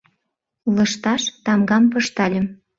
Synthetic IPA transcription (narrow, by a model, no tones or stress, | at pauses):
lɤ̆ʃt̪ɑʃt̪ɑmɡɑmpɤ̆ʃt̪ɑlʲə̆m